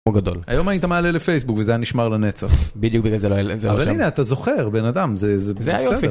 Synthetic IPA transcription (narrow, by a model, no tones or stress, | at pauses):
moɡad̪o̰la̰jo̞mait̪ameaːlelefe̞jsbukvezejaniʃmaʁlanet͡saχbid̪jukbiɡalzeloezeavalineat̪azo̞χeʁbe̞nad̪amzezebzeaejsedfe